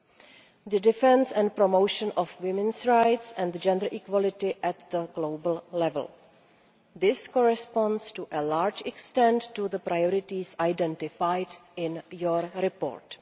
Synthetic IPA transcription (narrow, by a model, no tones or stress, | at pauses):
ðədɪfɛ̃nsɛ̃ntpɾomowʃə̃nʔɔfwɪmɛ̃nsɹajtsɛ̃ndd͡ʒɛ̃ndə˞ʔikwɔlɪtɪʔɛtðəɡlowbəl̩lɛv̰l | ðɪskɔɹɛspɔ̃nstuʔəlaːɾd͡ʒɛkstɛ̃ntːuðəpɾajɔɾɪtisajdɛ̃ntɪfajdɪ̃njɔɹɾɪpo̰ːɾt